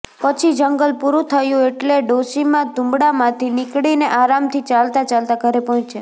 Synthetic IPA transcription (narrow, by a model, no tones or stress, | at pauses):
pət͡ʃʰid͡ʒəŋɡəlpuɾũt̪ʰəjũeʈleɖoʃimãd̪ʱũmbɽamãt̪ʰinɪkɽineʔaɾamt̪ʰit͡ʃalt̪at͡ʃalt̪aɡʱəɾepɔɦɔ̃t͡ʃt͡ʃʰe